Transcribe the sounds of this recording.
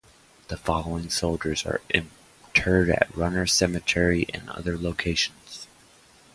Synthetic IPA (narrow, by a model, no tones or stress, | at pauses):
ðəfɑlˠoʊɪ̃ŋsoʊlˠd͡ʒə˞zə̰˞ʔɪ̃n | tʰɜ˞ɾɨ̰t̚ɹʌnə˞sɛmɨtʰɛɹiʔɨ̰̃nʌ̰ðə˞loʊkʰeɪʃn̩z̥